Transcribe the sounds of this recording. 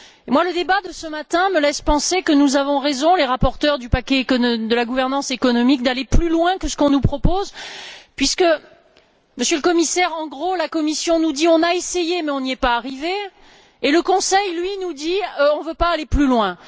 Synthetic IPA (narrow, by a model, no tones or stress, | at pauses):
emwaləd̪ebad̪əsəmat̪ɛ̃məlɛspɑ̃sekənuzavɔ̃ʁezɔ̃leʁapɔʁt̪œʁd̪ypakʲɛːkɔd̪əlaɡuvɛʁnɑ̃sekɔnɔmik̚d̪aleplylwɛ̃kəsə̥kɔ̃nupχɔpozpɥiskə | məsjələkɔmisɛʁɑ̃ɡʁolakɔmisjɔ̃nud̪iɔ̃naesejemɛɔ̃niɛpaːʁiveː | ləkɔ̃sɛjlɥinud̪iɔ̃vøpaːleplylwɛ̃